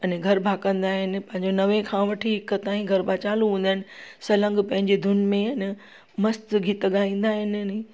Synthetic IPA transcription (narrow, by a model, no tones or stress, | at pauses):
ɐnẽɡʱɐɾbʱaːkə̃nd̪aːɦɪnɪ̆pɐ̃ɦɪ̃ɲd͡ʑonɐʋẽkʰãʋɐʈʰiɪkət̪aːĩɡʱɐɾbʱaːt͡ɕaːlũɦũːn̆d̪aːɪ̃nɪ̆sɐlə̃ŋɡpɐ̃ɦɪ̃ɲd͡ʑed̪ʱʊnmẽɐnɪ | mɐst̪ɡʱit̪əɠaːĩːn̆d̪aːɦɪnɐne